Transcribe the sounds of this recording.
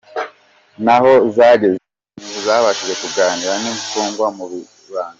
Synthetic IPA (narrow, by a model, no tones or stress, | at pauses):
naho̞zaːɟe̞ze | iŋuzaːβaʃiɾe̞kuɡaːniɾanimfuːŋɡwamuβi | βaːna